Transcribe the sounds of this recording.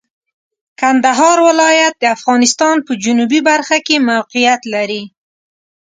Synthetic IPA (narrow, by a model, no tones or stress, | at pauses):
kand̪aɦɑɾwɪlɑjat̪̚d̪əafɣɑnɪst̪ɑnpəd͡ʒʊnubibaɾxakemawqijat̪laɾi